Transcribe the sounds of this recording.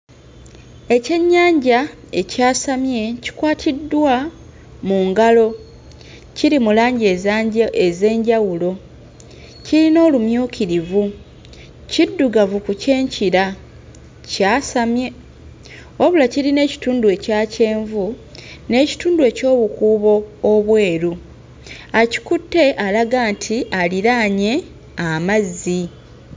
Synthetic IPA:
e̞ce̞ɲːaːɲɟa | e̞caːsamje̞ci̥kwaːtʰidːwa | muŋɡalo̞ | ciɾimulaːɲɟeeze̞ːɲɟawulo̞ | ciɾino̞ːlumjuːkiɾivu | cidːuɡavukuce̞ːɲciɾa | caːsamje̞ | oβulaciɾine̞ːci̥tuːndwe̞caːce̞ːɱvune̞ːci̥tuːndue̞ːco̞ːβukuːβo̞ːβwe̞ːɾu | aci̥kutːe̞ʔalaɡaːntʰialiɾaɲe̞ | amazːi

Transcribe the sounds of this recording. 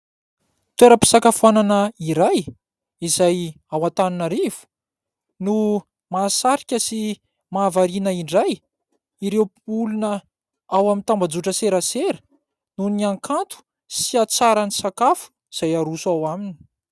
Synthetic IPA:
t̪weɾəpi̥sakafuananəiɾaj | izaj | awat̪aninaɾiv̥u̥ | nu | maːsaɾikʲəsi | maːvaɾinəiɳɖ͡ʐaj | iɾewpulunə | awamint̪ambad͡zuʈ͡ʂəseɾəseɾə | nuniaŋkʰant̪u̥ | siat͡saɾanisakafu̥ | iz̥ajaɾusawamini̥

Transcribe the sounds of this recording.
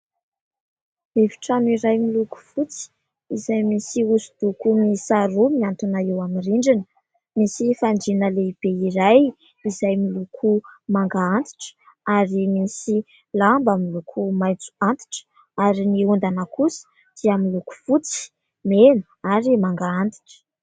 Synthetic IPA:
evi̥ʈ͡ʂanuiɾajmiluku̥fut͡si̥ | izajmisiusud̪̥ukumisaɾumiant̪unaewamiriɳɖ͡ʐinə | misifaɳɖ͡ʐinəleib̥eiɾaj | izajmilukʰumaŋɡaant̪i̥ʈ͡ʂə̥ | aɾimisi | lambəmilukʰumajt͡su̥ant̪i̥ʈ͡ʂə̥ | aɾiniund̪anakusə̥ | d̪̥iəmiluku̥fut͡si̥ | menə | aɾimaŋɡaant̪i̥ʈ͡ʂə̥

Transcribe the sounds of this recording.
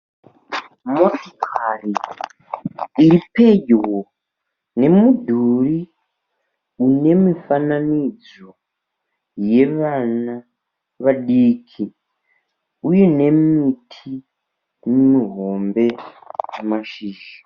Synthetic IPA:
motokʰari | iɾipe̞ɟɣo | ne̞mudʱuri | une̞mifananid͡z | o̞ | je̞ʋana | ʋaɗiːkʰi | uje̞ne̞mitʰi | mmiɦo̞mbe̞ | maʃiːʒa

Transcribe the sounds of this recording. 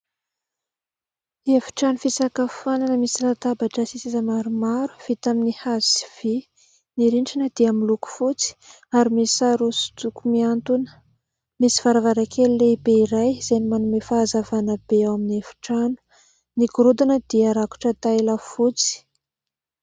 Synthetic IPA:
efi̥ʈ͡ʂanufisakəfananəmisilat̪abaʈ͡ʂəsisizəmaɾumaɾu̥v̥it̪aminihaziv̥i | niɾiɳʈ͡ʂinəd̪iamiluku̥fut͡si̥ | aɾimisaɾosu̥t̪ukumiant̪unə̥ | misi̥v̥aɾavaɾakʰeluleibeiɾajz̥ajnimanumefaːzavanəbeawaminefi̥ʈ͡ʂanu̥ | niɡuɾud̪anəd̪̥iaɾaku̥ʈ͡ʂət̪ajlafut͡si̥

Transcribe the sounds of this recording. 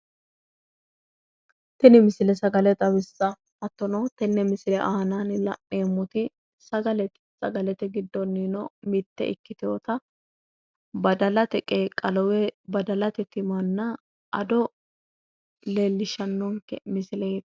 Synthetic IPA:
t̪ɛnɪmɪsɪlɛsɐɡɐlɛt̪ʼɐbɪsːɐ | hɐt̪ːɔnɐwt̪ɛnːɛmɪsɪlɛʔaːnanlɐ̰ʔːeːmːʊt̪ɪ | sɐɡɐlɛt̪ɛsɐ̰ɡɐlɛt̪ɛɡɪd̪ːɔnːinɔmɪt̪ːɛ̰ɪ̰kːɪt̪oːt̪ɐ | bɐd̪ɐlɐt̪ɛkʼeːkʼɐlɔwɛbɐd̪ɐlɐt̪ɛt̪ɪmɐnːɐ | ʔɐd̪ɔ | leːlːɪʃɐnːɔŋkɛ̰mɪsɪlɛt̪

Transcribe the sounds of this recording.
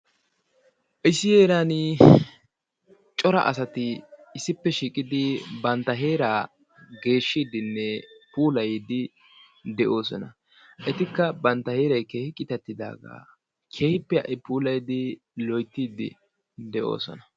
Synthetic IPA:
ʔɪsːɪjeːɾanɪ | t͡ʃʼɔɾɐ̰ʔɐs̬ɐt̪ɪɪsːɪpːɛʃiːkʼɪd̪ɪbɐnt̪ːɐɦe̞ːɾaː | ɡe̞ːʃːiːd̪ɪnːɛpuːlɐjd̪ɪ | d̪ɛʔo̞ːsɔnɐ | ʔɛt̪ɪkːɐbɐnt̪ːɐheːɾɐjkeːhɪkʼɪt̪ɛt̪ːɪd̪a̰ːɡa̰ː | kʰe̞ːhɪpːɛɐ̰ʔɪpuːlɐjd̪ɪ | lɔjt̪ːiːd̪ɪ̰ | d̪ɛʔo̰ːsɔ̰nɐ

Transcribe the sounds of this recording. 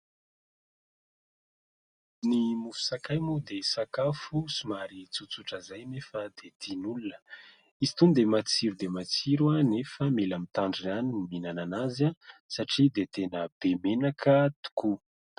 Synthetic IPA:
nimufu̥sakajmud̪esakafusumaɾit͡sut͡suʈ͡ʂəzajnefəd̪et̪inulunə | izi̥t̪und̪emat͡siɾud̪emat͡siɾwanefəmelamit̪aɳɖ͡ʐianinminananazasaʈ͡ʂid̪et̪enəb̥emenakʰət̪u̥ku

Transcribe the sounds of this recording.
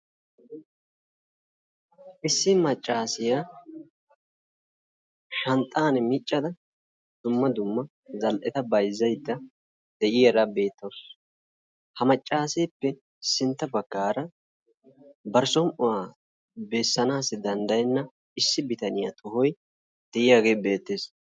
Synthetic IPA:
ʔɪsːɪmɐt͡ʃʼːaːsɪja | ʃɐnt̪ʼːaːnɛmɪt͡ʃʼːɐd̪ɐ | d̪̥ʊmːɐd̪ʊmːɐ | zɐlʔɛt̪ɐbɐjzɐjd̪ːɐ | d̪̥ɛʔɪjɛɾɐbe̞ːt̪ːoːs | hɐmɐt͡ʃʼːaːsɛjpːɛ | sːɪnt̪ːɐbɐɡːaːɾɐ | bɐɾsɔmʔʊwaː | bɛsːɐnaːsɪd̪ɐnd̪ɐjnːɐ | ɪsːɪbɪt̪ɐnɪjɐt̪ʰɔɦɔj | d̪̥ɛʔɪjaːɡe̞ːbe̞ːt̪ːeːs

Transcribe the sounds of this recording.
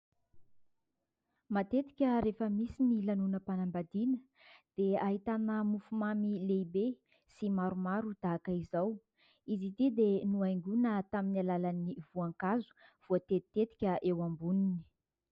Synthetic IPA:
mat̪et̪i̥kʲəɾefəmisinilanunəpanambad̪inə | d̪̥eaɦit̪anəmufumamilejbe | simaɾumaɾud̪̥aakəizaw | izid̪id̪enuajŋɡunət̪aminalalaniv̥uaŋkazu̥v̥uət̪eit̪et̪i̥kʲəʔewambunini̥

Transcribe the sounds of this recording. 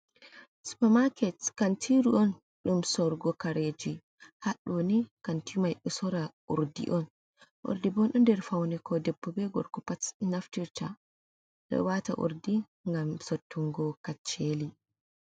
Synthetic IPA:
su̥pamakɛtkantʰiɾuʔɔn | ɗumsɔɾɡɔkaɾed͡ʒi | haɗnikantimajɗɔsɔɾaʔṵɾdḭʔɔn | ʔo̰ɾdibɔnɗɔndɛɾfawnɛkʰɔdɛbːɔbɛɡɔ̰ɾkɔpatnaftiɾta | ɗɔ̰wata̰ʔṵɾdi | ŋɡamsotʰːuŋɡɔkat͡ʃːeli

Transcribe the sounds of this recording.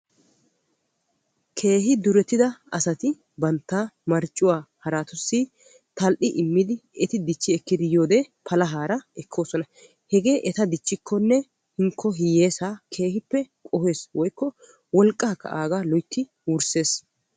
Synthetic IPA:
kʰe̞ːɦɪd̪ʊɾɛt̪ːɪd̪ɐɐsɐt̪ɪ | bɐnt̪ːaːmɐɾt͡ʃʼːʊwaːhɐɾaːt̪ʊsːɪ | t̪ɐlʔɪʔɪmːɪd̪ɪɛt̪ɪd̪ɪt͡ʃːɪɛkːɪd̪ɪjo̞ːd̪eːpʰɐlɐɦaːɾɐɛkʰːo̞ːsɔnɐ | hɛɡe̞ːʔɛt̪ɐd̪ɪt͡ʃːɪkʰːɔnːɛ | hɪŋkːɔɦɪje̞ːsaːkʰe̞ːhɪpːɛkʼɔheːswɔjkːɔ | wɔlkʼːɐːkːɐ̰ʔaːɡaːlɔjt̪ʰːɪ | wʊɾse̞ːs

